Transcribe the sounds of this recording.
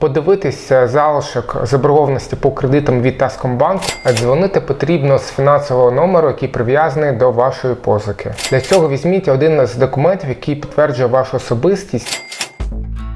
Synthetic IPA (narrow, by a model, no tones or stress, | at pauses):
pɔd̪ɪʋɪt̪ɪsʲɐzɑlˠɪʃɔkzɐbɾʊɦɔʋɐnɔsʲtʲipɔkɾed̪ɪt̪ɐmʋʲid̪̚t̪ɛskɔmbɑnkʊɐzʋɔnɪt̪ɪpɔt̪ɾʲibnɔɦɔsfʲinɑnsɔʋɔɦɔnɔmeɾʊjɐkʲijpɾɪʋʲjazɐnɪjd̪ɔʋɑʃɔjipɔzɐkʰɪd̥̪lʲɐt͡sʲɔɦɔʋʲizʲmʲitʲɐɔd̪ɪnzd̪ɔkʊmɛntʲiwjɐkʲijpʲit̪ʋɛrd͡ʒʊjɛʋɑʃʊɔsɔbɪsʲtʲisʲtʲ